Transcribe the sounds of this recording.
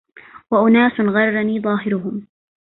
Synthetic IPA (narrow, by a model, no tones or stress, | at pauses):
waʔʊnaːsnɣɑɾˤːaniːðˤɑːɦɪɾʊɦʊm